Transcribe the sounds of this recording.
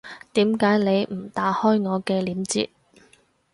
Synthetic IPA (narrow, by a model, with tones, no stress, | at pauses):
t̪iː˨˥mkaː˨˥jne˨˧jm̩˨˩t̪aː˨˥hɔː˥jŋɔː˨˧kɛː˧liː˨˥mt͡sḭː˧t̚